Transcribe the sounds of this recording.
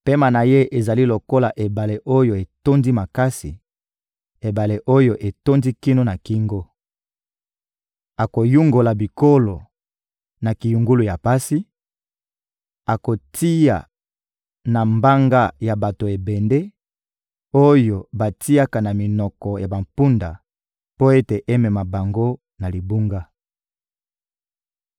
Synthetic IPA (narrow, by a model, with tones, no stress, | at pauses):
pe˦ma˨na˨je˦ʔe˨za˨li˦lo˨ko˦la˨ʔe˨ba˨le˨ʔo˦jo˨e˨to˦ndi˦ma˨ka˦si˨ | e˨ba˨le˨ʔo˦jo˦ʔe˨to˦ndi˦ki˦no˦na˨ki˦ŋɡo˦ | a˨ko˨ju˦ŋɡo˨la˨bi˨ko˦lo˨ | na˨ki˨ju˨ŋɡu˦lu˨ja˨pa˦si˦ | a˨ko˨ti˦ja̰˨ | na˨mba˦ŋɡa˦ja˨ba˨to˨e˨bɛ˨nde˦ | o˦jo˨ba˨ti˦a˦ka˨na˨mi˨nɔ˨kɔ˨ja˨ba˨mpu˦nda˨ | po˦e˦te˨ʔe˦mɛ˨ma˨ba˨ŋɡo˦ | na˨li˨bu˦ŋɡa˦